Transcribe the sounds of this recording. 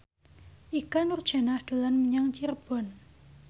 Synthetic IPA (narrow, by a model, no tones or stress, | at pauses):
ʔikanurd̥ʒ̥a̤nahd̪̥o̤lanmiɲaŋt͡ʃirb̥ɔ̤n